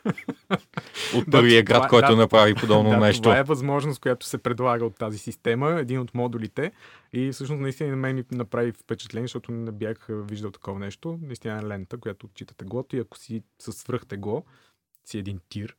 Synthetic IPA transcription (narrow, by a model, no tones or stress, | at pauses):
ot̪pɤɾviəɡɾat̪kɔj̪onɐpɾavipod̪ɔbnoanɛʃt̪oaɛvɐzmɔʒnost̪kojat̪o̥sɛpɾɛd̪lˠaɡəot̪ːazisist̪ɛməɛd̪inot̪mɔd̪ulit̪ɛ | ifsɤʃnosnɐist̪inɛmɛminɐpɾavifpɛt͡ʃɛ̥t̪lɛniɛʃt̪ɔt̪ʊnɛbjaxviʒd̪əlˠt̪ɐ̥kɔvɐnɛʃt̪onɐist̪inəɛlɛnt̪əkojat̪ooːt̪̚t͡ʃit̪ə̥t̪ɛɡɔt̪iɐko̥sisɐsvɾɤxt̪ɛɡɔ | siɛd̪int̪iɾ